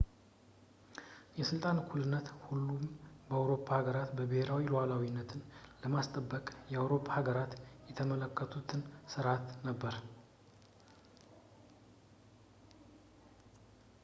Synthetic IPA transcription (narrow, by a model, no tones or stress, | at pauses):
jɛsɨlt̪ʼankʰulɨnːət̪hulːumbəawɾo̞pʰːahaɡəɾat̪bəbɨhe̞ɾawiloalawinːət̪ʰɨnləmast̪ʼəbːəkʼjɛawɾo̞pʰːahaɡəɾat̪jɛt̪ʰəmələkːət̪ʰut̪ʰɨnsɨɾat̪nəbːəɾ